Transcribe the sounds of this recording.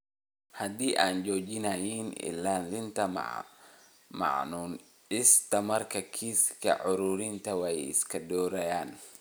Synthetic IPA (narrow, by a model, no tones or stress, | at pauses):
hɐd̪iːʔaːnt͡ʃɔːt͡ʃɪnɐjinɪ̰laːnlɪnt̪ʰɐ | mɑ̰ʕnuːn | ɪst̪ʰɐmɐrkʰɐkʰiːskʰɐ̰ʕʊɾuːɾɪnt̪ʰɐwɑjɪ̰skʰɐdɔːɾɐjaːn